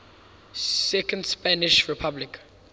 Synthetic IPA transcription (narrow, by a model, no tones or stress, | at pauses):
sɛkə̃ndspanɪʃɹipʰablik